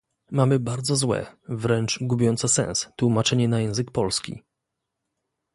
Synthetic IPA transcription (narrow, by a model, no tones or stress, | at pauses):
mamɘbaɾd̪zɔzwɛ̰vɾɛnt͡ʂɡubʲɔnt̪sɛsɛ̰̃ñst̪wumat͡ʂɛɲɛnajɛ̃w̃zɘkpɔlskʲḭ